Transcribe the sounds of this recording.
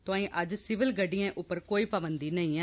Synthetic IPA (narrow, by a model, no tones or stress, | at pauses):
t̪ʊãːĩːʔəd͡ʒsɪʋɪlɡəɖijãːʔʊpːəɾkoːiːpəbənd̪iːnəĩːɛ̃ː